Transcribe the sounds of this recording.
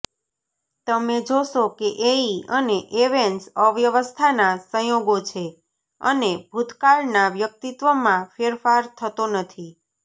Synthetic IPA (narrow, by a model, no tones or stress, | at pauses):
t̪əmed͡ʒoʃokeʔeiəneʔeʋeɳʈsəʋjəʋəst̪ʰanasə̃joɡot͡ʃʰe | ə̰nebʱud̪kaɭnaʋjək̚t̪it̪ʋəmãfeɾfaɾt̪ʰət̪onət̪ʰi